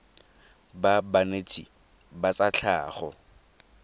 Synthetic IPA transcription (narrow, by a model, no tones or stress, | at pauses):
babanet͡sʰʼḭ | bat͡sat͡ɬʰa̰ːχɔ